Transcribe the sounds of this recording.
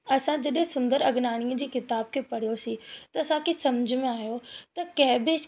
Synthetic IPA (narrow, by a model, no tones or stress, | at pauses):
ɐsãd͡ʑɐɗɦɪ̃sʊ̃nd̪əɾɐɡnaːɽ̃iəd͡ʑiːkɪt̪aːb̚kʰeːpɐɽ̤ijosit̪ɐɐsãkʰesɐmd͡ʑʱɪmẽaːjot̪ɐkɐ̃ɦɪ̃bɪ